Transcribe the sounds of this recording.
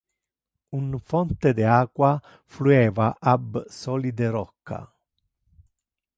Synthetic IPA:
unfɔnt̪ed̪eaːkwa | fluɛːvaʔabsɔːlid̪eɾɔkːa̰

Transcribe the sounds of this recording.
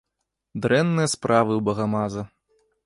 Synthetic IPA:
d̪ɾɛnːɨjɐspɾʔavɨwbɐɣamazɐ

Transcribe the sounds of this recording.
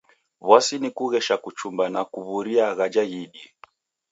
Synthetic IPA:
βwasinikuɣɛʃakut͡ʃumbanakuβuɾiaɣad͡ʒaɣiɗi

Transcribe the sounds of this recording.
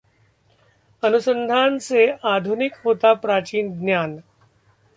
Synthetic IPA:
ənusə̃nd̪ʱaːnseaːd̪ʱunɪkɦoːt̪apɾaːt͡ʃiːnɡnjaːn

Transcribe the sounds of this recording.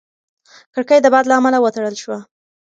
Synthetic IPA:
kəɽkəjd̪əbɑd̪laːmalawət̪aɽəlʃwa

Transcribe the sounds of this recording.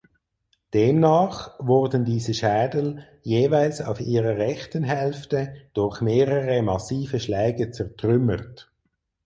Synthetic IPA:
d̥eːmnaːχvʊʁdən̩diːzəʃɛːdəl̩ | jeːvaɪlsa̰ʊfiːʁəʁɛχtənɦɛlftəd̥ʊʁχmeːʁəʁəmɑsiːfəʃlɛɪɡət͡sɛʁtʁʏməʁt

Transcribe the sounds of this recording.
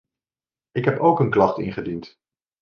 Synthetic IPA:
ɪkɦɛpowkənklɑχtɪ̰nχədint

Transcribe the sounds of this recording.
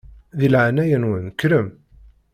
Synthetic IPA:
ðilʕanæjənwənkːɾəm

